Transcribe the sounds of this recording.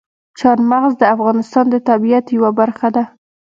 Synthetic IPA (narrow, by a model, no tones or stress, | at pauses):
t͡ʃɑɾmaɣzd̪əafɣɑnɪst̪ɑnd̪ət̪abijat̪jawabaɾxad̪a